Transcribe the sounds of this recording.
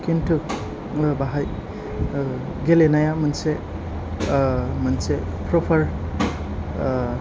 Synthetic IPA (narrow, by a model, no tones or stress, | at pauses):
kintʰɯk | baɦaj | ɡelenajamɯnse | mɐnsepʰɾɔpʰɐɾ